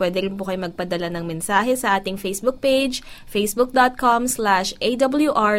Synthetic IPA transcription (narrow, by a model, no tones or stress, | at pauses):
pwɛːd̪ɛɾɪnpʊkɐjʊmɐɡ̚pɐd̪ɐlanɐŋmɛnsaːɦɛsɐʔaːt̪ɪŋfejsbʊk̚ped͡ʒfejsbʊk̚d̪ot̪̚komslaʃʔejd̪ɐbɐljuʔa